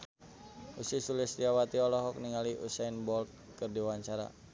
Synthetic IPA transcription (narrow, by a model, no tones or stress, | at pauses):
usisulisdiawat̪iɔlɔɦɔk̚niŋaliʔusainbɔlt̪̚ | kərdiwaɲt͡ʃaɾa̰